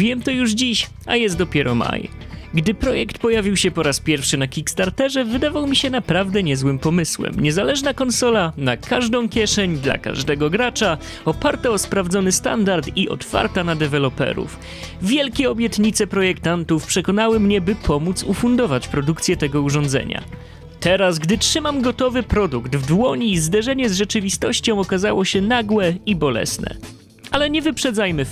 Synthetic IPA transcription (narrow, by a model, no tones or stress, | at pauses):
vʲjɛmt̪ɔjuʐd͡ʑiɕ | a̰jɛst̪d̪ɔpʲjɛɾɔma̰j | ɡd̪ɘpɾɔjɛkt̪pɔjavʲiwɕɛpɔɾaspʲjɛɾfʂɘnakʲikst̪aɾt̪ɛʐɛvɘd̪avawmʲiɕɛnapɾavd̪ɛɲɛzwɘmpɔmɘswɛ̰mɲɛzalɛʐnakɔnsɔlanakʰaʐd̪ɔ̃w̃kʲjɛʂɛɲd̪la̰ka̰ʐd̪ɛɡɔɡɾat͡ʂa | ɔpaɾt̪aɔspɾavd̪zɔnɘst̪a̰nd̪aɾt̪iʔɔ̰t̪fa̰ɾt̪anad̪ɛvɛlɔpɛ̰ɾṵf | vʲjɛlkʲɛɔbʲjɛt̪ɲit̪sɛpɾɔjɛkt̪ant̪ufpʂɛkɔnawɘmɲɛbɘpʰɔmut̪sufund̪ɔvat͡ɕpɾɔd̪ukt̪sʲjɛt̪ɛɡɔuʐɔnd̪zɛ̰ɲa̰ | t̪ɛɾasɡd̪ɘtʂɘmamɡɔt̪ɔvɘpɾɔd̪uɡd̪vd̪wɔɲiːzd̪ɛʐɛɲɛzʐɛt͡ʂɘvʲist̪ɔɕt͡ɕɔ̃w̃ɔkazawɔɕɛnaɡwɛibɔlɛ̰snɛ̰ | alɛɲɛvɘpʂɛd̪zajmɘ